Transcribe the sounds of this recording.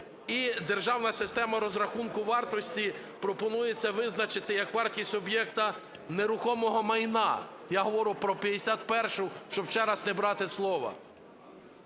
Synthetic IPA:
id̪erʒɑwnɐsɪst̪ɛmɐɾɔzɾɐxunkʊʋɑrt̪ɔsʲtʲi | pɾɔpɔnujet͡sʲːɐʋɪznɐt͡ʃɪt̪ɪjɐkʋɑrtʲisʲɔbjɛkt̪ɐ | neɾʊxɔmɔɦɔmɐjnɑ̰ | jaɦɔʋɔɾʊpɾɔpʲjɐd̪esʲat̪pɛrʃʊʃt͡ʃɔbt͡ʃɛɾɐznebɾɑt̪ɪslˠɔʋɐ̰

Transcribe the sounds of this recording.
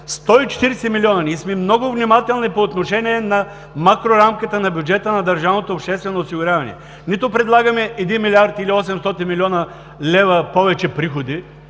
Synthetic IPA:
st̪ɔit͡ʃɛ̥t̪iɾsɛmiliɔnɐnʲismimnɔɡʊvnimat̪ɛlˠnipoːt̪noʃɛnʲiɛnɐ | makɾoɾamkət̪ənɐbʲjud͡ʒɛt̪ənɐd̪ɐɾʒavnot̪oːpʃt̪ɛst̪vɛnoːsiɡʊɾʲavɐnɛ̰ | nit̪ʊpɾɛd̪lˠaɡɐmɛʔɛd̪inmilʲiaɾt̪iliɔsɛmst̪ɔt̪inmilʲɔnɐ | lʲɛvɐpɔvɛt͡ʃɛpɾixod̪i

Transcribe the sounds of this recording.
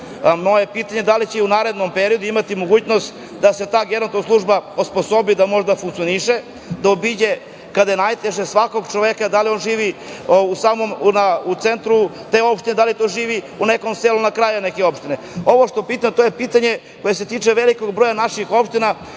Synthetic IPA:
moje̞piːt̪aɲe̞d̪alit͡ɕeunaːɾe̞d̪nompeɾio̞d̪uimat̪imo̞ɡuːt͡ɕno̞st̪ | d̪ase̞t̪aːɡenonoslˠuʐbaosposobid̪amo̞ʒd̪afuŋkt̪sijoniʃe | d̪aobid͡ʑe | kad̪ajenajt̪eʒesʋako̞ɡt͡ʃoʋekad̪alio̞nʒiːʋiusaːmomnaut̪sent̪ɾut̪e̞o̞pʃt̪ined̪alit̪oʒiːʋi | uneko̞mseːlunakɾajunekeo̞pʃt̪ine | o̞ʋoʂt̪o̞piːt̪amt̪o̞jepiːt̪aɲe̞ | ko̞je̞set̪iːt͡ʂeʋeliko̞ɡbɾojanaʃixo̞pʃt̪ina

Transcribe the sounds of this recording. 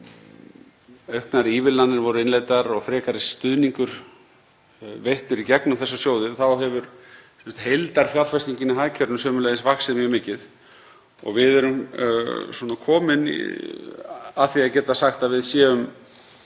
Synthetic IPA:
œɥhknaɾiːvɪlanːɪɾvɔɾʏɪnlejt̪aɾɔɣfɾɛːkaɾɪst̪ʏðniŋkʏɾ̥ | vejht̪ʏɾicɛknʏmθɛsːasjoːwðɪθawɦɛvʏɾsɛnst̪hejlt̪aɾ̥θjalfast̪iɲcɪnaɦacʰœɾnʏsœːmʏɾlejðɪsvaxsɪðmjɛmɪːcɪð | ɔ̰ɣvɪðɛɾʏm | sɔnakʰɔːmɪn̰ | aðθiacɛːt̪asaxt̪aðvɪðsjɛːʏm

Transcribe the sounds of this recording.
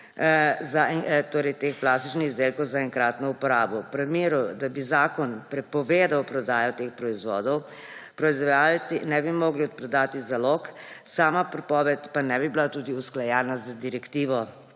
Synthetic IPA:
zaɛt̪oːɾɛjt̪eːxplast̪i̥t͡ʃnixizd̪eːlkɔwzaɛŋkɾaːt̪nɔupɔɾaːbɔpɾɛmeːɾud̪abizaːkɔnpɾɛpɔʋeːd̪awpɾɔd̪aːjɔt̪eːxpɾɔizʋɔːd̪ɔw | pɾɔizʋɔjaːlt̪sinɛbimoːɡliɔt̪pɾɔd̪aːt̪izalɔk | saːmapɾɛpɔːʋɛt̪panɛbibilat̪uːd̪iusklajɛːnazad̪iɾɛkt̪iːʋɔ

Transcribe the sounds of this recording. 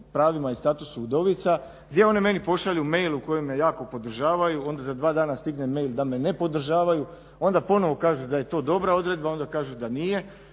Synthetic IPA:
pɾaːʋimaist̪aːt̪usuud̪o̞ʋit̪sa | ɡd̪je̞o̞neme̞nipo̞ʃaliume̞jlˠuko̞jemːejaːko̞po̞d̪r̩ʒaːʋajuo̞nd̪azad̪ʋaːd̪aːnast̪iɡne̞me̞jld̪ame̞ne̞po̞d̪r̩ʒaːʋaju | o̞nd̪apo̞no̞ʋo̞kaːʒud̪aje̞t̪o̞ːd̪o̞bɾao̞d̪ɾe̞d̪̚bao̞nd̪akaːʒud̪anije̞

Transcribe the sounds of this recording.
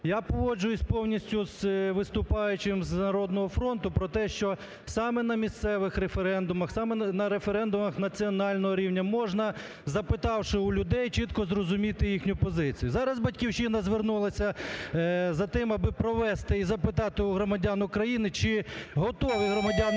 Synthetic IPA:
japɔʋɔd͡ʒʊjʊsʲpɔwnʲisʲtʲʊzʋɪst̪ʊpɑjʊt͡ʃɪmznɐɾɔd̪̚nɔɦɔfɾɔnt̪ʊpɾɔt̪ɛʃt͡ʃɔ | sɑmɛnɐmʲist̪sɛʋɪxɾefeɾɛnd̪ʊmɐxsɑmɛnɐɾefeɾɛnd̪ʊmɐxnɐt͡sʲiɔnɑlʲnɔɦɔɾʲiwnʲɐmɔʒnɐ | zɐpɪt̪ɑwʃɪʊlʲʊd̪ɛjt͡ʃit̪kɔzrɔzʊmʲit̪ɪjixnʲʊpɔzɪt͡sʲijʊzɑɾɐzbɐtʲkʲiwt͡ʃinɐzʋernulˠɐsʲɐ | zɐt̪ɪmɐbɪpɾɔʋɛst̪ɪizɐpɪt̪ɑt̪ɪʊɦɾɔmɐdʲanʊkɾɐjinɪt͡ʃɪɦɔt̪ɔʋɪɦɾɔmɐdʲan

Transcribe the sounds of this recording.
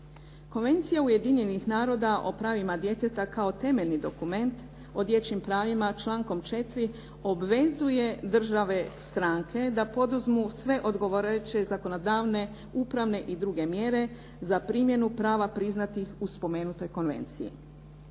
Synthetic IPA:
ko̞nʋe̞nt̪sijauje̞d̪iɲe̞nixnaːɾo̞d̪aʔo̞̰pɾaːʋimad̪je̞t̪e̞t̪akao̞t̪e̞meʎʲnid̪o̞kume̞nt̪ | o̞d̪je̞t͡ɕimpɾaːʋimat͡ʃlˠaːŋko̞mt͡ʃe̞t̪ɾi | o̞bʋe̞zuje̞d̪r̩ʒaʋe̞st̪ɾaŋkʰe̞d̪apo̞d̪uzmusʋe̞ʔo̞d̪ɡo̞ʋoɾet͡ɕe̞zako̞no̞d̪aːʋne̞ | upɾaʋne̞ʔid̪ɾuɡe̞mjeɾe̞ | zapɾimje̞nupɾaːʋapɾiznat̪ixuspo̞me̞ːnut̪o̞jko̞nʋe̞̰nt̪sḭḭ

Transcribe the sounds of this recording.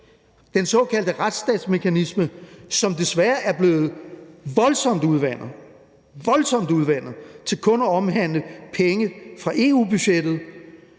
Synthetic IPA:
d̥ensɒ̽ːkʰæl̰d̥əʁad̥sd̥ɛ̰ːd̥sme̝kʰænisməsɒ̽md̥e̝sʋæːɐʔæɐb̥le̝ːð̞̩ˠʋɒ̽lsɒ̽m̰d̥əuð̞ˠʋæn̰ɐ | ʋɒ̽lsɒ̽m̰d̥əuð̞ˠʋæn̰ɐt͡sʰe̝lkʰɔ̽nɒɒ̽mɦæn̰ləpʰeŋəfʁɑ̈ʔe̝ṵb̥yɕed̥ð̞̩ˠ

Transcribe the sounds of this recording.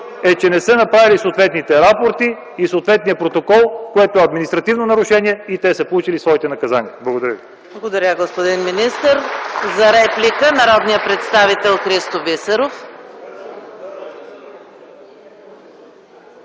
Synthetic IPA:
ɛt͡ʃɛnɛsənɐpɾavilisoːt̪vɛt̪nit̪ɛɾapoɾt̪iː | soːt̪vɛt̪nijəpɾot̪okɔlˠkoɛt̪oɛɐd̪minist̪ɾɐt̪ivnonɐɾʊʃɛniɛit̪ɛsəpolˠut͡ʃilisvɔit̪ɛnɐkɐzaniɛblˠɐɡod̪ɐɾʲjəvi | blˠɐɡod̪ɐɾʲəɡospod̪inminist̪əɾzɐɾɛplikənɐɾɔd̪nijəpɾɛt̪st̪avit̪ɛlˠxɾist̪ovisəɾof

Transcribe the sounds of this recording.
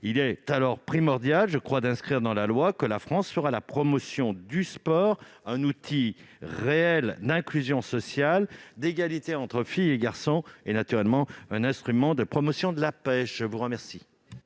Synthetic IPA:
ilɛt̪alɔʁpχimɔʁd̪jalʒəkχwad̪ɛ̃skχiʁd̪ɑ̃lalwakəlafχɑ̃sfəʁalapχɔmɔsjɔ̃d̪yspɔːʁɛ̃nut̪ʰi | ʁeɛld̪ɛ̃klyzjɔ̃sɔsjald̪eɡalit̪eɑ̃t̪χəfijeɡaʁsɔ̃enat̪yʁɛlmɑ̃ɛ̃nɛ̃st̪χymɑ̃d̪əpχɔmɔsjɔ̃d̪əlapɛʃʒ̥əvuʁəmɛʁsi

